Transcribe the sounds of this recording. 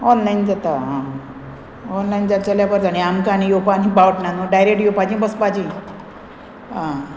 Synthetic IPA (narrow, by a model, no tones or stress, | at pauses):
ɔnlajnd͡zat̪aɦã | ɔnlajnd͡zat̪̚t͡səljabəɾd͡zañiamkañijopanĩbawəʈnanoɖajɾek̚ʈjopad͡ʑĩbəsbad͡ʑi | ɦã